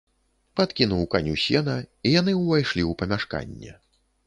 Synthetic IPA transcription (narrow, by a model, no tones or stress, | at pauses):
pat̪kʲinuwkanʲusʲɛnɐijan̪ɨwvajʂlʲiwpɐmʲaʂka̰nʲːɛ̰